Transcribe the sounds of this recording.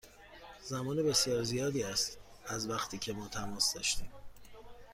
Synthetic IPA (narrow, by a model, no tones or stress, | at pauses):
zæmɒːnebe̞sijɒːɾzijɒːd̪iːæst̪ | æzvæxt̪ʰiːcʰe̞mɒːt̪ʰæmɒːsd̪ɒːʃt̪iːm